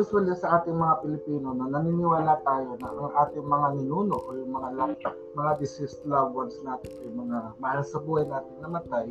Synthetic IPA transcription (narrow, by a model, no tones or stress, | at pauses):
juswɐlisɐʔaːt̪ɪŋmɐŋapɪlɪpiːnonɐnɐninɪwaːlɐt̪aːjo̞nɐʔɐŋʔaːt̪ɪŋmɐŋanɪnuːno̞ʔojʊŋmɐŋalɐ | mɐŋad̪ɪsɪst̪laɡɐnsnaːt̪ɪnʊŋmɐŋamɐʔalɐsɐbuːhɐjnaːt̪ɪnnɐmɐt̪aj